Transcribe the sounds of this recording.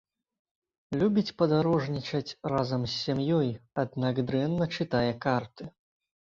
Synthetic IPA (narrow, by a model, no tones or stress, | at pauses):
lʲubʲit͡sʲpɐd̪aɾɔʐnʲit͡ʂɐt͡sʲrazɐmsʲːamjɔjad̪naɡd̪ɾɛnːɐt͡ʂɨt̪ajɛkart̪ɨ